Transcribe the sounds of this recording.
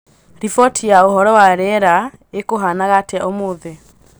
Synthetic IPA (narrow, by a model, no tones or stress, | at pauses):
ɾifɔtʰijaoɦɔɾɔwaɾɛɾa | ekoɦanaɣateaomoːðɛ